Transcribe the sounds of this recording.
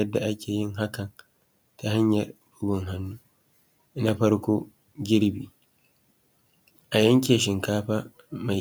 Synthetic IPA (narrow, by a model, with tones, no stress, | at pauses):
ɐ˦dːa˨ʔa˦kʰʲeː˨ji˦ŋɦa˦kɐ˨n | ta˨ha˦ɲjɛ˨ɾbu˦bɔ˨ŋɦa˦nːu˦ | ʔna˦ɸɐ˦ɾko˦ | ɡʲi˦ɾbi˨ | ʔa˨jɐ˦ŋk̬ʲeː˨ʃ̬ɪ˨ŋkaː˦ɸa˦ | ma˨